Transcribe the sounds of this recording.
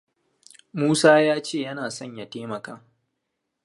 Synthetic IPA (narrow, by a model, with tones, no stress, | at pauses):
muː˦saː˦jaː˦t͡ʃeː˦˨jɐ˦naː˨sɔ˦˨ɲja˨teː˦mɐ˨kaː˦